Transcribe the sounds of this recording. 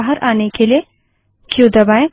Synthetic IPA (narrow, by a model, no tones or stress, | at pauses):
ɦəɾaːnekelie | kjõd̪ɐbaːẽ